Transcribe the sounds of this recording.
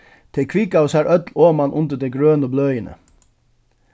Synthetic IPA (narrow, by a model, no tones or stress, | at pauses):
t̪ʰɪkʰʋikɑʊsæːɾʔœt̪loːmɑnʔʊnt̪əd̪eɡɹøːnəblœʏənʔə̰